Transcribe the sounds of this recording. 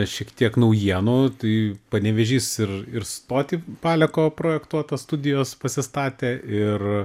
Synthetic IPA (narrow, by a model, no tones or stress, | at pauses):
ʃʲiɛkt̪ʲiɛknɐʊjiɛnuːt̪ɐɪpɐnʲɛʋʲɛʒʲiːsɪrɪrst̪oːt̪ʲipɑːlʲɛkoːpɾoːjɛkt̪uɔt̪ɐst̪ʊd̪ʲɪjoːspɐsʲɪst̪ɑːt̪ʲeːʔɪr